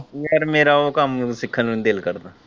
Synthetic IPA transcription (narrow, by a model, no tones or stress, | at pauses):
ɔːɾmeːɾaokamsɪkʰːənẽd̪eːlkɐɾd̪ã